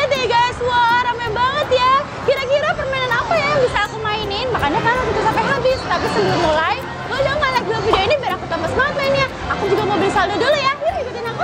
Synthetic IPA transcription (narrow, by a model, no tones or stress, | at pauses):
at̪iɡasuaɾamabaŋət̪ja | kiɾakiɾapərmainanapajajaŋbisaːkumainɪnmakaɲakaɾaakit̪usampɛhləbɪht̪ət̪apisənbuɾmulaj | kald͡ʒamalak̚duafidiainibiaɾakut̪amasəmaŋat̪̚mainɲa | akud͡ʒuɡamabəlisaldadolajaaikut̪ɪnaku